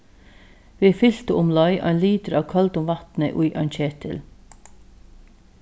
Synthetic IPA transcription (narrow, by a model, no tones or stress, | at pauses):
ʋeːfʏlt̪əʊmlɔʏʔɑ̰ɪnliːd̪əɾɑːʋkʰɑlt̪ʊmʋɑt̪nə̰ʔʊʏʔɑ̰ɪnc͡çeːt̪ʰɪ̰l